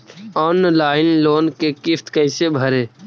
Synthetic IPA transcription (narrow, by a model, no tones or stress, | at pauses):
ɔːnlaːɪnloːnkekɪft̪kəɪsebʱəɾeː